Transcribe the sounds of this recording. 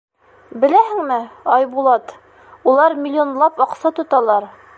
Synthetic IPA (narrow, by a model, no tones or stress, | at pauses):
bɘ̆læɦɘ̆ŋmɘɑjbulˠɑt̪ | ulˠɑɾmʲɪlʲːonlˠɑpɑqsɑt̪ŏt̪ɑlˠɑɾ